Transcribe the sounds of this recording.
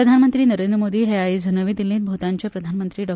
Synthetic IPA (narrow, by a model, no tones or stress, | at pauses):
əd̪ʱanmənt̪ɾiːnəɾend̪ɾəmod̪iːɦeaid͡zʱənəʋiːd̪ilːĩːt̪̚bʱot̪aɲt͡ɕjapɾəd̪ʱanmənt̪ɾiːɖɔ